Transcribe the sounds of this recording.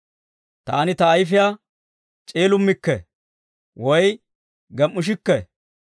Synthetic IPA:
t̪a̰ːnɪt̪ɐːjfɪja | t͡ʃʼe̞ːlʊmːɪkːɛ | wɔj | ɡɛmːʊʃ̬ɪkːɛ

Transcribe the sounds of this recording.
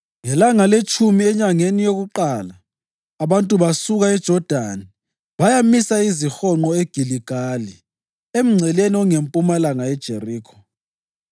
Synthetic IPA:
ŋɛlaŋalet͡ʃʰʼumiɛɲaŋenijoɣuǃaːlaː | βantʼuβasuɣaɛd̥ʒ̥ʱɔd̥ʱani | βajamisaizixɔŋ͡ǃɔeɡ̥ʱiliɡ̥ʱali | em̩ŋ͡ǀʱɛleniɔŋempʼumalaŋaɛd̥ʒ̥ʱeriːkʰɔ̥

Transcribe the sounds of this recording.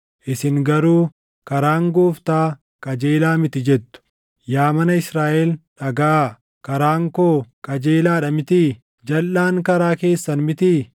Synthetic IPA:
ʔɪsɪŋɡɐɾuː | kɐɾaːŋɡuːft̪aː | kʼɐd͡ʒeːlaːmɪt̪ɪd͡ʒɛt̪ːʊ̥ | jaːmɐnɐɪsɾaːʔɛlᶑɐɡa | kɐɾaːŋkoːkʼɐd͡ʒeːlaːᶑɐmɪt̪i | d͡ʒɐlːaːŋkɐɾaːke̞ːsːɐnmɪt̪iː

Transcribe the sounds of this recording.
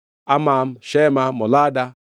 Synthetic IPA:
amam̩ʃemamɔlada

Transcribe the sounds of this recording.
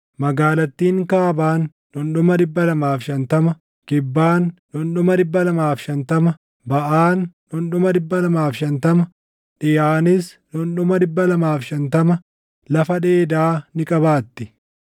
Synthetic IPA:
mɐɡaːlɐt̪ːiːŋkaːbaːnː | ɔnɗʊmɐd̪ɪbːɐlɐmaːfʃɐnt̪ɐmɐ | kɪbːaːnːɔnɗʊmɐdɪbːɐlɐmaːfʃɐnt̪ɐmɐ | bɐʔaːnː | ʊnɗʊmɐd̪ɪbːɐlɐmaːfʃɐnt̪ɐmɐ | ᶑɪjaːnɪs | nɔnɗʊmɐd̪ɪbːɐlɐmaːfʃɐnt̪ɐmɐ | lɐfɐᶑeːd̪aːnɪkʼɐbaːt̪ːɪ̥

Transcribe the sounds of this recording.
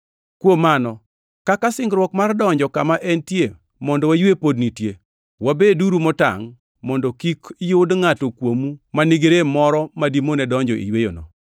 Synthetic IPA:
kwomanɔ | kakasɪŋɡɾwɔkmardɔɲd͡ʒɔkamaʔɛntje | mɔndɔwajwepodnitje | wabeduɾumɔta̰ŋ | mɔndɔkikijodŋatokwomumaniɡeɾemɔɾɔmadimonɛdɔɲd͡ʒɔ̰ʔḭjwejo̰nɔ̰

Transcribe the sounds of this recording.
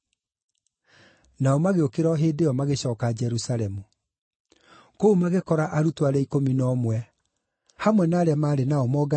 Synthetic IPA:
naɔmaɣeokeɾɔɦeːdeɔmaɣeɕɔːkad͡ʒɛɾusaɾɛmu | koumaɣekɔɾaʔaɾutwaɾɛikominɔmwɛ | hamwɛnaːɾeamaːɾenaɔmɔɡa

